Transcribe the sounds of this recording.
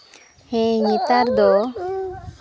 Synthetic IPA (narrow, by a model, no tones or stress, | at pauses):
hɛ̃ɲit̪aɾd̪ɔ